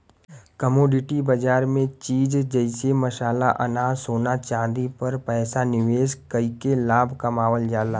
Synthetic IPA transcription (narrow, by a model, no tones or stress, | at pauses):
kəmoːɖɪʈibɐd͡ʒaːɾmẽt͡ʃiːd͡ʒd͡ʒəɪsemɐʃaːlaʔɐ̰naːsoːnat͡ʃãːd̪ipɐɾpɛːsanɪʋeːskɐikelaːbʱkɐmaːʋəld͡ʒaːlaː